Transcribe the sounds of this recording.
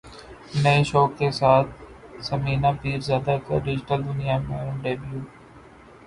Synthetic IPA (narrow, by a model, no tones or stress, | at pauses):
nɐeʃoːkːesaːt̪̚ʰ | səmiːnaːpiːɾzjaːd̪akə̰ɖɪd͡ʒɪʈəld̪ʊnijaːmẽːʊ̃ɳɖeːbijuː